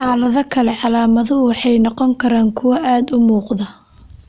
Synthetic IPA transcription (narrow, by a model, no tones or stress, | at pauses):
ħɑːlɐðɐkʰɐlɛʕɑlaːmɐðʊwɑħɑjnɔqɔŋkʰɐɾaːŋkʰʊwɐʔaːd̪ʊmuːqðɐ